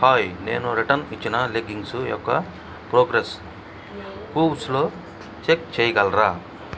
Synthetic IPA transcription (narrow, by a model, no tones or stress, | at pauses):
haːjnḛːnuɾiʈɐnit͡ʃːinɐleɡiŋɡsujɔ̰kːɐ | pɾoːɡɾes | kuːwsloː | t͡ʃek̚t͡ʃeːjɐɡɐlɾaː